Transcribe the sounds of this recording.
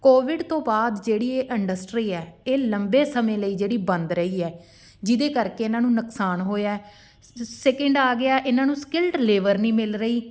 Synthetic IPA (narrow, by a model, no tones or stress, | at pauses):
koːʋɪɖt̪õːbaːd̪d͡ʒeːɽiːeːʔɪɳɖəsʈɾiːɛːeːləmbeːsəmẽːləiːd͡ʒeːɽiːbənd̪ɾəiːɛː | d͡ʒɪd̪eːkəɾkeːɪnãːnũːnʊksaːnɦoːjaː | sɛːkəɳɖaːɡɪaːʔɪnãːnũːskɪlʈleːʋəɾnĩːmɪlɾəiː